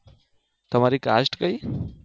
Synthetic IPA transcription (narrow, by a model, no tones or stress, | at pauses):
t̪ʌmaɾika̰sʈkʌj